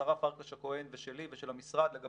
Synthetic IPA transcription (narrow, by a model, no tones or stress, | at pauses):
aʁafaʁkaʃako̞enveʃe̞liveʃelamisʁad̪leɡa